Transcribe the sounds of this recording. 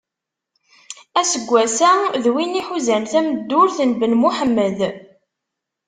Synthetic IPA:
æsəɡʷːæsæðwiniħuzænθæməd̪ːʊɾθənbənmuħəmːəð

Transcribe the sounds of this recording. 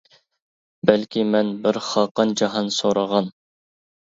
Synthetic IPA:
bɛlkʲimɛnbɪɾχɑqɑnd͡ʒɑɦɑnsoɾɑʁɑn

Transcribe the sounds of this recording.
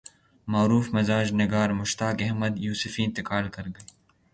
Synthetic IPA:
maːɾuːfmɪzaːd͡ʒnɪɡaːɾmʊʃt̪aːkɛɦməd̪juːsɪfiɪ̃nt̪ɪkaːlkɐɾɡɐ

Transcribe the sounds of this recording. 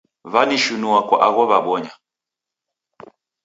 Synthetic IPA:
βaniʃunuwakwa̰ʔaɣɔβaɓɔɲa

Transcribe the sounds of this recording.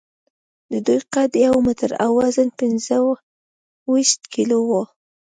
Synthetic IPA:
d̪əd̪ujqad̪jawmɪt̪əɾa̰wɑzənpɪnzəw | wiʃt̪kilowo

